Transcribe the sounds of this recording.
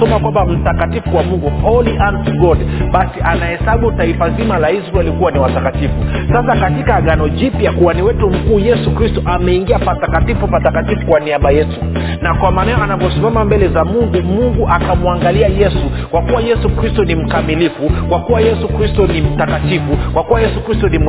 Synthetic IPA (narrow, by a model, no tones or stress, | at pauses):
ɔmakwambam̩takatifuwamuŋɡuhɔliʔantɡɔdɓasiʔanahɛsaɓutaifazimalaizɾɛlikuwaniwatakatifusasakatikaːɠanɔʄipjakuaniwɛtum̩kuːjɛsukɾistɔʔamɛiŋɡiapatakatifupatakatifu̥kwaniaɓajɛtu | nakwamaːnɛɔʔanavɔsimamambɛlɛzamuŋɡumuŋɡuʔakamuaŋɡaliajɛsukwakuwajɛsukɾistɔnim̩kamilifukwakuwajɛsukɾistɔnim̩takatifukwakuwajɛsukɾistɔnim